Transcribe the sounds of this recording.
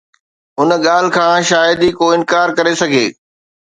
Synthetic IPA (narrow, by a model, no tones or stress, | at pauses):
ʊnɠaːl̤ɪkʰãːʃaːjəd̪ikoːɪnkaːɾkɐɾesɐɡʱeː